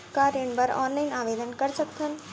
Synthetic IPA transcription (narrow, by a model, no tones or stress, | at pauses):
kaːɾeɳbəɾɔ̰ːnlaɪnaːʋeːd̪ənkɐɾsəkt̪ʰən